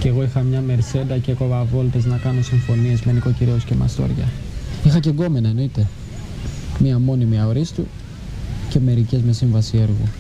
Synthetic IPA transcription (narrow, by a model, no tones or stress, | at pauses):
ceɣo̞ixɐmɲɐme̞ɾse̞d̪ɐceko̞vɐvo̞lt̪eznɐkɐno̞siɱfo̞nie̞zme̞niko̞ciɾioscemɐ̰st̪o̞̰ɾʝɐ̰ixɐce̞ɡo̞me̞nɐe̞no̞it̪e̞ | miɐmo̞nimiɐo̞ɾist̪ṵ | ce̞me̞ɾice̞zme̞siɱvɐsie̞ɾɣṵ